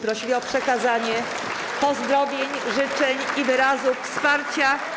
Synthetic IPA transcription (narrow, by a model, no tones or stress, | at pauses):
pɾɔɕilʲiɔpʂɛkazaɲɛ | pɔzd̪ɾɔvʲjeɲʐɘt͡ʂɛɲivɘɾazuffspaɾt͡ɕa